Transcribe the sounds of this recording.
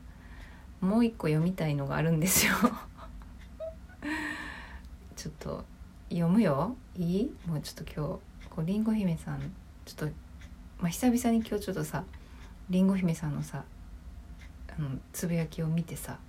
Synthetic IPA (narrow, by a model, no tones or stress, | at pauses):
mo̞ːikːo̞jo̞mʲit̪aino̞ɡa̰ːɾɯ̟̃nd̪e̞sɨjo | t͡ɕo̞t̪ʰːo̰ | jo̞mɯ̟jo̞ | iːmo̞ːt͡ɕo̥t̪ːo̞kʲʰo̞ː | ko̞ːɾʲĩŋɡo̞çimesãn | t͡ɕo̥t̪ːomaçi̥sabʲisãɲ̟ːikʲo̞ːt͡ɕo̞t̪ːosa | ɾʲĩŋɡo̞çʲime̞sãnːo̞sa | ɯ̟̃ɴt͡sɨbijakʲio̞mʲit̪e̞sa̰